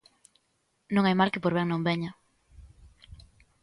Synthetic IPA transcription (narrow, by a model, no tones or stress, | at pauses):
nõŋajmalkɪpoɾβɛŋnõŋbɛɲɐ